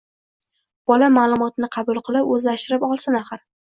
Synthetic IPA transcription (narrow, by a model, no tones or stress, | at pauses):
b̥ɒlamalˠʊmɒt̪nɪqʰɑbʊlˠqʰɨlˠɪpɵzlaʃt̪ɪɾɪpɒlˠsɪnaχɨɾ